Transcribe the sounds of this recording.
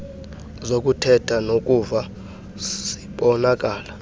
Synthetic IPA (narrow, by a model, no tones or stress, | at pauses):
zokʼutʰɛtʰanokʼuva | si̥ɓɔnak̬ʼaːla